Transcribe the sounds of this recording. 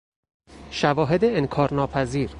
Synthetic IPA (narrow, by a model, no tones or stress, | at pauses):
ʃævɒːɦed̪eːŋkʰɒːɾnɒːpʰæziːɾ